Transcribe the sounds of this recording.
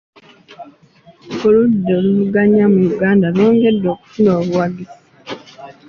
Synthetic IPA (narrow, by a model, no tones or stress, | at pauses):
koludːoluluɡaɲamujuɡaːndaloːŋɡedːoːku̥funoːβuwaɡisi̥